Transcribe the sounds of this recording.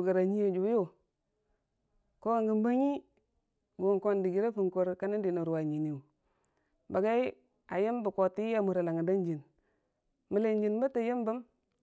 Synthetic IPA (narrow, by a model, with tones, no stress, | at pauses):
ɡa˨ɾa˨ɲi˦jo˨d͡ʒu˨˦jo˦ | ko˦a˨ŋɡi˨mba˦ɲi˦ | ɡo˨ŋko˦ndi˨ɡi˨ɾa˦fu˨ŋko˨ɾka˦ni˦di˨no˨ɾa˨ɲi˨ni˨u˨ | ba˨ɡa˦i˦ | a˨jə˦mbə˨ko˨ti˦a˦mu˨ɾa˨la˨ŋa˨da˦nd͡ʒi˨n | mə˨le˨nd͡ʒi˨nba˦ta˨jə˦mbə˦m